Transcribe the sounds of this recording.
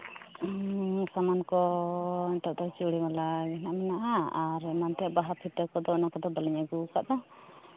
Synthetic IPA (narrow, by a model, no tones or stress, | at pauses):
samankɔiɲt̪ɔʔd̪ɔt͡ʃuɽimalaɡɛnaʔmɛnaʔaaɾmant̪ijaʔbaɦat̪ʰit̪əkɔd̪ɔnakɔd̪ɔbaliɲaɡuka̰ʔd̪ɔ